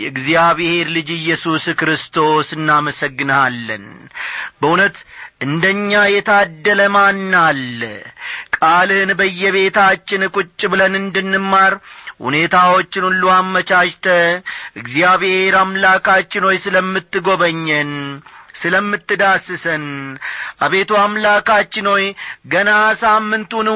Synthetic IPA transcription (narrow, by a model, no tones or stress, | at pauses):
jɛɨɡzijaβhe̞ɾlɨd͡ʒɨjːɛsuskɾɨst̪ʰo̞sɨnːaməsəɡːɨnəalːə̰n | bəunət̪ʔɨnd̪əɲːajɛt̪ʰad̪ːələmanːal | kʼalɨnbəjːɛβe̞t̪at͡ʃːɪnkʼut͡ʃʼːbɨlənɨnd̪ɨnːɨmːaɾhṵne̞t̪ʰawo̞t͡ʃːɪnulːuamːət͡ʃaʃt̪ʰəɨɡzijaβheɾamlakat͡ʃːɪno̞jsɨləmːɨt̪ːɨɡo̞βəɲːənsɨləmːɨt̪ːɨd̪asɨsənʔaβe̞t̪ʰuamlakat͡ʃːɪno̞jɡənasamːɨnt̪un